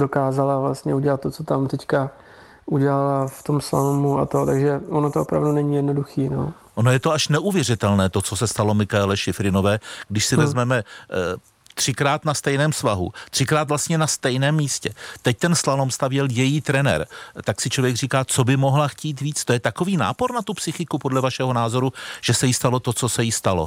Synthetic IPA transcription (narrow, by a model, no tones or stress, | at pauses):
dokaːzalavlast̪ɲɛuɟɛlat̪̚ːot͡sot̪amt̪ɛcka | ʔuɟɛlalaft̪o̞msla̰lomua̰t̪ot̪aɡʒɛonot̪oopɾa̰vdunɛɲiːjɛdnoduxiːnoː | ʔonojɛt̪o̞aʃnɛʔuvjɛrɪt̪ɛlnɛːt̪o̞t͡so̞sɛst̪alo̞mɪxaɛlɛʃɪfɾɪno̞vɛːɡ̥dɪʃsɪvɛzmɛmɛ | t̪r̥ɪkɾaːt̪nast̪ɛjnɛːmsvaɦṵt̪r̥ɪkɾaːt̪vlast̪ɲɛnast̪ɛjnɛːmːiːscɛt̪ɛc̚t̪ɛnslanomst̪avjɛljɛjiːt̪ɾɛnɛ̰ɾt̪aksɪt͡ʃlovjɛɡriːkaːt͡so̞bɪmo̞ɦlaxciːt̪viːt͡st̪ojɛt̪ako̞viːna̰ːpo̞ɾnat̪upsɪxɪkupo̞dlɛvaʃɛɦo̞naːzo̞ɾuʒ̥ɛsɛjist̪alo̞t̪o̞t͡so̞sɛjɪst̪alo̞̰